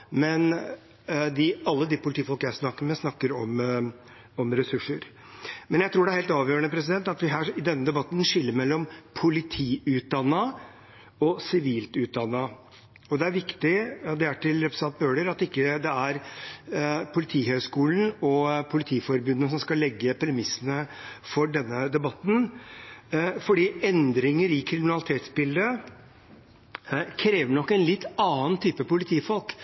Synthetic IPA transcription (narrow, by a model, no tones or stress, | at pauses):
mɛn | d̪ɪɑlːəd̪ɪpʰʊlt̪iːfɔlkəjæsnɑkːəɾmɛsnɑkːəɾɔm | ɔmɾɛsʉʂːəɾ | mɛnjæɪt̪ɾuːɖɛæɾheːlt̪ɑːʋjøːɾəɳəpʰɾɛs̬ɪd̪ɛnt̪ɑt̪ʋɪɦæːɪd̪ɛnːəd̪ɛbɑt̪ːn̩ʂɪlːəɾmɛlːɔmpʰʊlɪt̪ʰiːʉːt̪̚d̪ɑnːɑ | ɔsɪʋiːlt̪ʉːt̪̚d̪ɑnːɑ | ɔd̪ɛæɾʋɪkt̪ɪd̪ɛæʈːɪlɾɛpɾəsɑnt̪̚bøːɖəɾɑt̪ːɪkːəd̪ɛæɾ | pʰʊlɪt̪ʰiːhœskuːlən̩ɔpʰʊlɪt̪ʰiːfɔɾbʉnːəsɔmskɑlːɛɡːəpɾɛmɪsːənəfɔɖɛnːəd̪ɛbɑt̪n̩ | fɔɖiːɛnd̪ɾɪŋəɾɪkʰɾɪmɪnɑlɪt̪ʰeːt̪sbɪld̪ə | kʰɾeːʋəɳɔkːɛnlɪt̪ːɑːənt̪ʰyːpəpʊlɪt̪ʰiːfɔlk